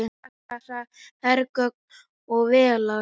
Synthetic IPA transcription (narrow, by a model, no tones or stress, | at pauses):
ɪa | asahɛɾkœk̚n | ɔɣvɛːla